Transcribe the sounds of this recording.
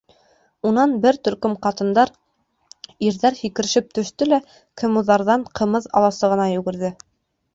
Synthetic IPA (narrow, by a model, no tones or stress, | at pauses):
unɑnbɘɾt̪ɵ̆ɾkɵmqɑt̪ɤ̆nd̪ɑɾ | iɾðæɾhikɘ̆ɾ̆ʃɘp̚t̪ɵ̆ʃt̪ɵlæ | kʰɘ̆muðɑɾðɑɴqʰɤ̆mɤðɑ̰lˠɑsɤʁɤ̆nɑjʉ̆ɡɘ̆ɾðɘ